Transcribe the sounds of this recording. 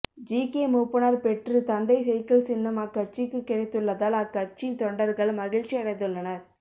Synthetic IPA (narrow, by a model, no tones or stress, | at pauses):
d͡ʒiːkeːmuːpːɯnaːɾpɛʈrɯt̪ɐnd̪ɐɪsɛjkːɐɭsɪnːɐmɐkːɐɾt͡ʃɪkːɯkːɪɽɐɪt̪ːɯɭːɐðaːlɐkːɐɾt͡ʃit̪ɔɳɖɐɾɣɐɭmɐɣɪɻt͡ʃːɪjɐɽɐɪðɯɭːɐnɐɾ